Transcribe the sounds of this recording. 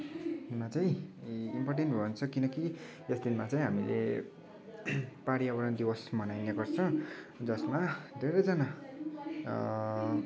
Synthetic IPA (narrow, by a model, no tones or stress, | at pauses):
unmat͡saj̃imporʈenʈbʱʌnt͡sʰʌkinʌki | esd̪inmat͡saĩɦamilḛ | paɽiʌbʌɾʌnd̪iwʌsmʌnajnekʌrt͡sʰʌ̃d͡zʌsmad̪ʱeɾʌjd͡zana